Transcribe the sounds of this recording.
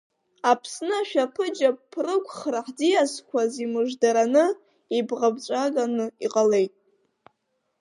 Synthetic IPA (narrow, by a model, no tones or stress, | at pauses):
apʰsnɨaʃᶣapʰɨd͡ʒapʰrɨkʷʰχraħdijaskʷʰazimɨʐdaɾanɨ | ibʁabt͡ʃʷʼaɡanɨiqʼale̞jtʼ